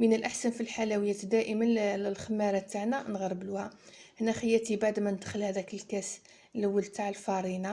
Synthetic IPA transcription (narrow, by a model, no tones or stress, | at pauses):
mənəlʔaħsænfilħalæwəjːæt̪d̪æʔəmənəlxəmːæɾˤɑt̪ːaʕnænɣɑɾˤːəbluhæhnæxəjːæt̪ibaʕd̪mænəd̪xəlhæd̪ækəlkæs | ləwːəlt̪aʕəlfɑɾˤina